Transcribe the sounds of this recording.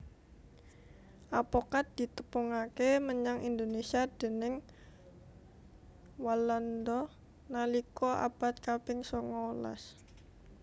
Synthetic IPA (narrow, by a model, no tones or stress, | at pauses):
ʔapɔkat̪̚d̪̥i̤t̪əpuŋakeməɲaŋʔind̪onesiad̪̥e̤nɪŋ | waland̪ɔ | nalikɔʔa̰b̥a̤t̪̚kapɪŋsɔŋɔla̰s